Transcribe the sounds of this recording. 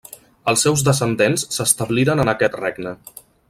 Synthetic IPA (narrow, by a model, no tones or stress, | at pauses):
əlˠsːɛwzðəsənd̪ensːəst̪əβliɾənənəkɛt̪reɡnə